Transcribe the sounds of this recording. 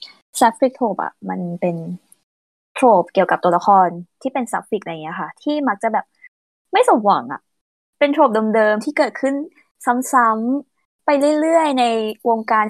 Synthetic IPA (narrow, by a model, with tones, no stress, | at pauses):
sa˦˥p̚fi˨˩k̚t̪ʰoː˨˩p̚ʔa̰˨˩ʔma˧npe˧n | t̪ʰɾoː˨˩p̚ki˨˩əwka˨˩p̚t̪u˧la˧˥xʰɔː˧nt̪ʰiː˥˩pe˧nsa˦˥p̚fi˨˩k̚ʔa˧˨ŋi˦˥ɐ˧kʰa˥˩t̪ʰiː˥˩ma˦˥k̚t͡ɕa˨˩bɛː˨˩p̚ | ma˥˩jso˨˩˦mwa˩˦ŋʔa̰˨˩ʔ | pe˧nt̪ʰɾoː˨˩p̚dɤː˧mdɤː˧mt̪ʰiː˥˩kɤː˨˩t̪̚kʰɯ˥˩n | sa˩˦msa˨˦˥m | pa˧jlɯ˥˩jɾɯ˥˩əjna˧jwoː˧ŋkaː˧n